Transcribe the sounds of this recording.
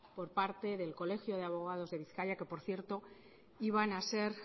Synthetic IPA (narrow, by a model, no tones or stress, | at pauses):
po̞ɾpaɾt̪e̞ðe̞lko̞le̞xjo̞ð̞eaβo̞ɣ̞að̞o̞zðe̞β̞iθkaʎake̞po̞ɾθje̞ɾt̪o̞ | iβ̞anase̞ɾ